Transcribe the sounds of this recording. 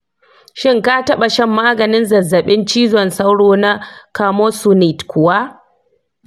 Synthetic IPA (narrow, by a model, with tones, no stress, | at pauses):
ʃɪ˦ŋka˦tɐ˦ɓa˨ʃɛ˦˨mːaː˦ɡɐ˨nɪ˦nzɐ˨zːɐ˨ɓɪ˦nt͡ʃiː˦zɔ˨nsa˦wɽoː˦na˦kaː˨moː˦su˦ni˨tkʰʷʊ˨waː˦